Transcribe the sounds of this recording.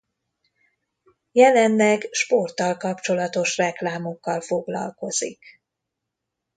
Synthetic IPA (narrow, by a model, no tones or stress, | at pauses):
jɛlɛnlɛɡʃpo̞rt̪ɒlkɒpt͡ʃo̞lɒt̪o̞ʃrɛklaːmokːɒlfo̞ɡlɒ̰lko̞zḭk